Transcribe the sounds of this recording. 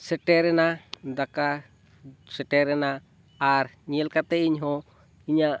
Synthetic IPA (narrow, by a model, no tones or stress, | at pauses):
sɛʈɛɾɛnad̪aka | sɛʈɛɾɛnaː | ɾɲiɛlkat̪ɛiɲɦɔ | iɲa